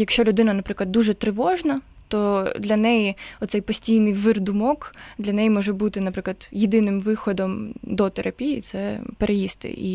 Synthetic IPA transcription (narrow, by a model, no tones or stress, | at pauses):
jɐkʃt͡ʃɔlʲʊd̪ɪnɐnɐpɾɪklˠɐd̪ːuʒɛt̪ɾɪʋɔʒnɐt̪ɔd̪lʲɐnɛjiɔt̪sɛjpɔsʲtʲijnɪjʋɪrd̪ʊmɔkd̪lʲɐnɛjimɔʒɛbut̪ɪnɐpɾɪklˠɐd̪jɪd̪ɪnɪmʋɪxɔd̪ɔmd̪ɔt̪eɾʔɐpʲijit̪sɛpeɾʔejist̪ɪ̰ʔḭ